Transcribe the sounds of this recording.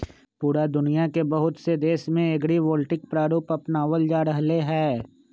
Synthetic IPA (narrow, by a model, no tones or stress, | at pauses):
puːɾad̪ʊnijakebɐɦʊt̪sed̪eːʃmẽeɡɽiʋoːlʈɪk̚pɾaːɾuːpɐpnaːʋəld͡ʒaːɾəɦleɦɛː